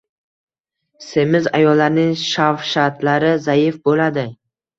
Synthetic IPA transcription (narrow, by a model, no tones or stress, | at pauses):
se̞mɪza̰jɒlːaɾnɪŋʃafʃat̪laɾɪzajɪfbolad̪ɪ